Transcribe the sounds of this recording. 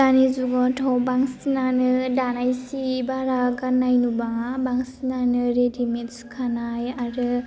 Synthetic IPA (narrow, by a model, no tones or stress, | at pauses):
anizuɡɔtʰɔwbaŋsinanɯdanajsibaɾaɡanːajnubaŋabaŋsinanɯɾedimet̚su̥kʰanajaɾɯ